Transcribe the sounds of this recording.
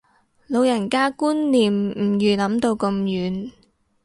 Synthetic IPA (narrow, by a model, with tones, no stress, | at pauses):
lo˨˧wjɐ˨˩nkaː˥kuː˥nːiː˨mm̩˨˩jyː˨˧lɐ˨˥mt̪o˧wkɐ˧mjyː˨˧˥n